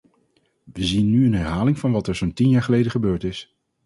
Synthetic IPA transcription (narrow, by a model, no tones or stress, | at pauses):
ʋəzinːyənɦɛɹɦaːlɪŋvɑnʋɑtɛɹzontinjaːɹχəlejdəχəbøːɹtɪs